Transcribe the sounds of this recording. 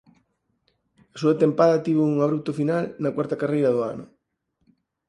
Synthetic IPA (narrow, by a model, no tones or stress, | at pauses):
ɐsuɐt̪empaðɐt̪iβ̞ʊuŋaβɾup̚t̪ʊfinalnɐkwaɾt̪ɐkarejɾɐðʊanʊ